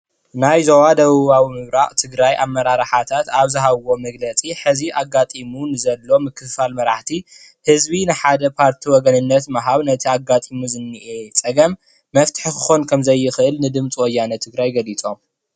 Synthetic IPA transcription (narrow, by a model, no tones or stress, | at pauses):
najzowad̪ɐβɨβawimɨβɾaʔt̪ʰɨɡɾajʔamːɐɾaɾħat̪ʰat̪aβzɨɦaβwo̞mɐɡlɐt͡sʼiħɨziʔaɡːat̪ʼimunɨzɐlːo̞mɨkʰːɨfalmɐɾaħt̪ʰi | hɨzbinɨħad̪ɐpʰaɾt̪ʰiwɔɡɐnɨnːɐt̪maɦaβnɐt̪ʰiaɡat̪ʼimuzɨnːiʔet͡sʼɐɡɐmː | ɐft̪ʰɨ̥ħkʰɨ̥xo̞nkʰɐmzɐjːɪxʔɨlnɨd̪ɨmt͡sʼiwɔjːanɐt̪ʰɨɡɾajɡɐlit͡sʼom